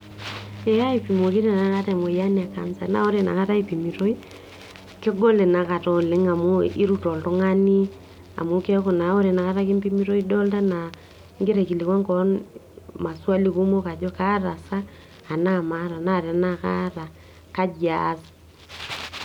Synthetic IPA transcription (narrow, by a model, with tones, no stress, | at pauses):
e˨a˦i˨pi˨m˨o˨ki˦ɾe˨na˦ka˦ta˨mo˨ja˦nea˨ka̰˨nsa˨na̰˦o˦ɾe˨na̰˨ka˦ta˦i˦pi˨mi˨ɾo˦i˦ | ke˦ɡo˦le˨na˨ka˨tɔ˨le˦ŋa˨mo˦i˦ɾu˦tɔ˨lto˦ŋa˦ni˦ | a̰˨mo˨ke˦ko˨na˨o˦ɾe˨na˨ka˦ta˦ke˦mpi˦mi˦ɾo˦i˦dɔ˦lta˦na˨ | ŋɡe˦ɾe˨ki˨le˨kwa˦ŋkɔ˦nma˨swa˦li˦ku˦mo˦ka˨d͡ʒɔ˦ka˦ɾa˨saː˦˨ | na˦ma˦ɾa˨na˦˨ɾa˨na˦ka̰˦ɾa˨ | ka˦d͡ʒasḁ